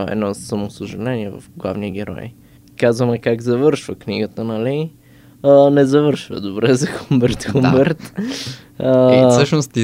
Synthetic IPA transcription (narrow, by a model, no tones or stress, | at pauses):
ɛ̰d̪nɔsɐmosəʒɐlɛniɛvɐ̰fɡlˠa̰vniəɡʲɛɾɔ̰j | kazvəmɛkaɡzɐvɤɾʃvəkniɡət̪ənɐli | ənɛzɐvɤɾʃvə̰d̪obɾɛzɐxumbɛɾt̪xumbɛɾt̪ | əsəʃnost̪i